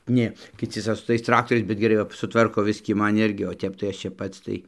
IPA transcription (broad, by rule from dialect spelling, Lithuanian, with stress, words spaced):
ˈnʲeː kʲɪˈt͡sʲɪ ˈsɐʊ sʊ tɐɪs ˈtrɑːktoːrʲɛɪs bʲɛt ɡʲɛˈrɐɪ ʋɐ sʊˈtʋɐrkoː ˈbʲɪsʲkʲiː ˈmɐn ˈɪrʲɡʲɪ oː ˈtʲɛp tɐɪ ˈɐʃ ˈt͡ʃʲɛ ˈpɐts tɐɪ